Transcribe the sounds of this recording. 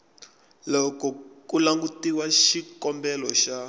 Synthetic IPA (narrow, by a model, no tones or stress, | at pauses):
lɔkɔkulaŋɡutiwaʃikɔmbɛlɔʃa